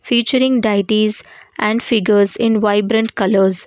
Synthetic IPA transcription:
fiːt͡ʃəɾɪ̃ŋɡɖaɪʈizʔæ̃ɳɖfɪɡəɾzɪ̃nʋaɪbɾə̃ɳʈkʌləɾz

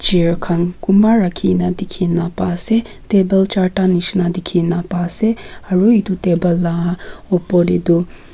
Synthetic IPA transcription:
d͡ʒiɹkʰaŋkumaɾakʰinad̪ikʰinapase | t̪ebəlt͡ʃaʈaniʃnad̪ikʰinapaseɐɹuit̪ut̪ebəlːaɔpɔded̪u

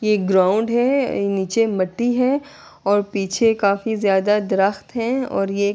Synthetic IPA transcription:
jeɡɾãːʊ̃ɳɖɦɛniːt͡ʃemɐʈːiɦɛ | ɔːɾpiːt͡ʃʰekaːfizjaːd̪ad̪ɾəxt̪ɦɛ̃ɔ̰ːɾje

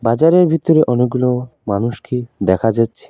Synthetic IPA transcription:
bad͡ʑaɾeɾbʱit̪ːɔɾeʔɔneɡ̚ɡulomanuʃkid̪ɛkʰad͡ʒatːʃʰi̥

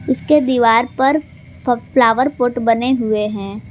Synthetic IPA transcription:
ʊsked̪iːʋaːɾpɐɾ | flaːʋəɾpoːʈbɐneɦʊeɦɛ̃ː

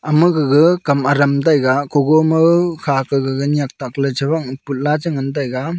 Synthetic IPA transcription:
ɐmɯɡɯɡɯkɐmaɾɐmdajɡakoɡomɯkʰakɯɡɯɡɯnijak̚tak̚lɯt͡ʃʰɯbaŋput̚lad͡ʒɯŋɯndajɡa

